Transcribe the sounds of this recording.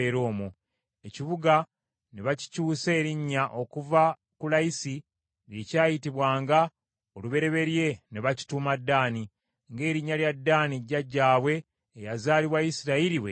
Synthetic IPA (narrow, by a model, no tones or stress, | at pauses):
eɾo̞ːmu | e̞ciβuɡa | neβaci̥cuːse̞ːɾiɲːaʔo̞kuva | kulaisi | ɾje̞caːjitiβwaːŋɡa | oluβe̞ɾe̞βe̞ɾje̞neβaci̥tuːmadːaːni | ŋɡe̞ːɾiɲːaljadːaːniɟːaɟːaːβwe̞ː | jazaːliwaisiɾailiwḛ